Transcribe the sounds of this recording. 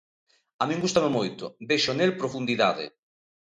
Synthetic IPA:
amĩŋɡust̪amemojt̪obeʃonelpɾofund̪iðaðɪ̰

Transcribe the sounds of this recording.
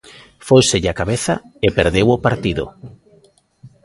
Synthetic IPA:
fojseʎakaβeθa̰epeɾðewopaɾt̪iðo̰

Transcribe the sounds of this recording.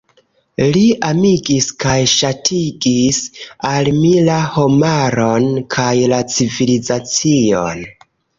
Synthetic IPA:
liamiɡiskajʃatʰiɡisalmilaho̞maɾo̞nkʰajlat͡sivilizat͡sio̰n

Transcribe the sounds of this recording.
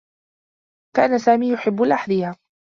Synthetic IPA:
kaːnasaːmiːjʊħɪbːʊlʔaħðiːa

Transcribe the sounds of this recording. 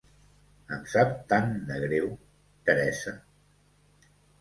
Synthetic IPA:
əmsap̚t̪and̪əɣɾew | t̪əɾɛsə

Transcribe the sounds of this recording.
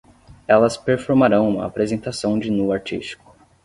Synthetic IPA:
ɛlɐspeɾfoɾmaɾɐ̃w̃ũmɐ̰apɾezẽnt̪asɐ̃w̃d͡ʒɪnuaɾt͡ʃist͡ʃi̥kʊ̥

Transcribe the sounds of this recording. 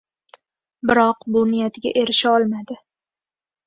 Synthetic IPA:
bɪɾɒqbʊnɪjat̪ʰɪɡʲa̰ʔe̞ɾɪʃaɒlˠmad̪ɪ

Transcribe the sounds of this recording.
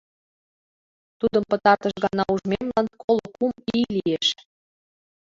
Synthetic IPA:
t̪ud̪əmpə̆t̪ɑrt̪əʃɣɑnɑuʒmemlɑnkʰolŏkumilieʃ

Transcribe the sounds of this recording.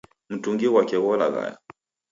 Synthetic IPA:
m̩tuŋɡiwakɛɣɔla̰ɣa̰ja̰

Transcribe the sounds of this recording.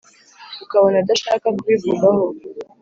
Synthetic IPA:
ukaβonad̪aʃaːkakuβivuɡaho

